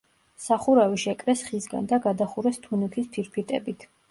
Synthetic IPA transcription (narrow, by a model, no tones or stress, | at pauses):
saχuɾaviʃɛkʼɾɛsχisɡa̰nd̪aɡad̪aχuɾɛst̪ʰunɛk̪ʰispʰiɾpʰit̪ʼɛ̰bit̪ʰ